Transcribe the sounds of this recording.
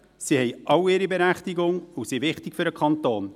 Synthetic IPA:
sihɛjʔɑwɪɾibɛɾæχtɪɡʊŋusiʋɪχtɪkfʏɾəkʰχɑnt̪oːn

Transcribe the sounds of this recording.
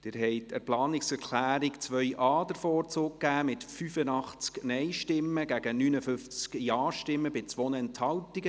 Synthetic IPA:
d̥ɪɾɦɛɪtɛɾplɑːnɪksɛɾkʰlæːɾɪkt͡sʋœjʔʔɑːd̥əɾfoːɾt͡soːkkːæːmɪtfyfənɑχt͡sknɛjʃtɪmːəɡ̥æɡ̥ənynəfʏnft͡skjɑːʃtɪmːəbɪt͡sʋonəɛnthɑltiɡə

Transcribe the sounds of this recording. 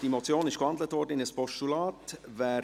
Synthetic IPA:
d̥imɔt͡sjoːnɪʃkhɑndlətvɔːɾdəɪnəspɔʃtulɑːtvæː

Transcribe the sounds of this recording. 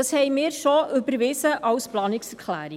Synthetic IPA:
ɑshɛɪmɪːɾʃɔʔʏbəɾʋɪsəʔɑwsplɑːnɪksɛɾkʰlæ̰ːɾɪ

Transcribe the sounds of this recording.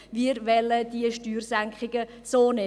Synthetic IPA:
ʋiəɾʋɛlːədiəʃtyːrsæŋkχɪɡə | soːnɛ

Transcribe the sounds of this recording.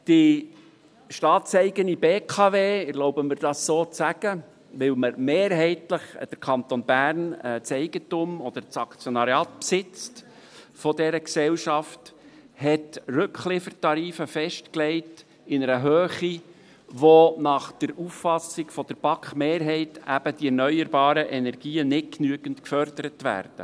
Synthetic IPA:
d̥i | ʃtɑːtsɛɪɡənibeːkʰɑveːɪɾloʊbəmɪɾd̥ɑsːoːt͡sæɡ̥ə | ʋɪwməɾmeːɾɦɛɪtləχd̥əɾkʰɑnt̪onbærnɛt͡sɛɪɡ̥ətʊmɔd̥̪əɾt͡sɑkt͡sjɔnɑɾjɑːt̪psɪt͡st | fɔdɛɾəksɛwʃɑfthɛtrɵkχlɪfərtɑɾiːfəfɛʃtklɛɪt | ɪnəɾəɦøːχi | ʋonɑχd̥əɾuffɑsɪɡ̥fɔd̥̪əɾb̥ɑkχmeːɾɦɛɪtæb̥əd̥̪iɛɾnœʏəɾbɑːɾəʔɛnɛɾɡ̥iːənɪt̚knyəɡ̥əntkfœɾd̥əɾətʋæ̰ːrd̪̥ə

